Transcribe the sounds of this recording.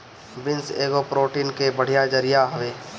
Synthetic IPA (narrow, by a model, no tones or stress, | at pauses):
bɪnseːɡopɾoːʈiːnkebəɽ̤ijad͡ʒɐɾɪjaɦɐʋeː